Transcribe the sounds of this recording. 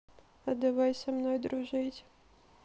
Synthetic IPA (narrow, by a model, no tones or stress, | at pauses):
ɐd̪avajsʲɐmnojd̪ɾʊʐɨtʲ